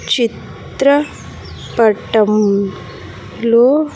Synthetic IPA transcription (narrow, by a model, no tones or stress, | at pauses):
t͡ʃit̪ | ɾɐ | pɐʈɐm | loː